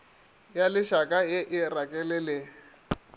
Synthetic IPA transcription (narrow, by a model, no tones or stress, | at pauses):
jalɪʃakʼajɪʔɪrakʼɛlɪlɪ